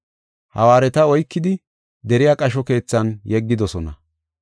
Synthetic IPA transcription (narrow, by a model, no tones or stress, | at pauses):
hɐ̰waːɾɛt̪ɐɔjkːɪd̪ɪ | d̪ɛɾɪjaːkʼɐʃɔke̞ːt͡sːɐnjɛɡːɪd̪ɔsɔnɐ